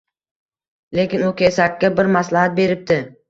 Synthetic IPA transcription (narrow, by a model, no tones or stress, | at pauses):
le̞kʲɪnʊkʲʰesakʲːabɪɾmaslahat̪̚be̞ɾɪp̚t̪ɪ